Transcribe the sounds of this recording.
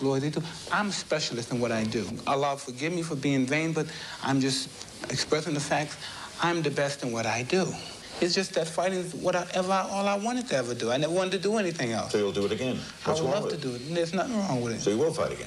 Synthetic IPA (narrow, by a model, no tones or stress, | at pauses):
lɔɹðɨtuʔãɪ̃mspɛʃl̩ˠɨstɨ̃nwʌɾaɪdɨʔəlɑ̥fə˞ɡɪvmifə˞biɪ̃ŋvẽɪ̃nbʌɾʔã̰ɪ̃md͡ʒʌst | ɨkspɹɛsɪ̃ŋðəfæk̚tsãɪ̃mðɨbɛstɨ̃nwʌɾaɪdu | ɨtsd̥ʒ̥ʌsðɨtfaɪɾɪ̃ŋwʌɾaɪʔɛvə˞aɪʔɔlˠaɪwɑ̃ñtɨd̚tʰɨɛvə˞dɨaɪnɛvə˞wɑ̃ntʰɨdəɛniθɪ̃ŋɛ̰lˠsoʊjəl̩ˠdɨɨɾɨɡɛ̃n | aɪwllʌvtʰɨdɨɪtnɪtsnətɹɔ̃ŋwɨðɨ̰tsoʊjɨwɪlˠfaɪɾɨɡɛ̰̃n